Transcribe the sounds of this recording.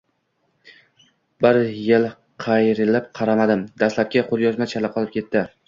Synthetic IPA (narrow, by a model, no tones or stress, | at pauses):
bɪɾjɪlˠ | qʰɑjɾɪlɪp̚qʰɑɾamad̪ɪmd̪aslap̚kʲaqʰʊɾjɒzmat͡ʃʰalɪqʰɒlˠɪp̚kʲʰe̞t̪ʰːɪ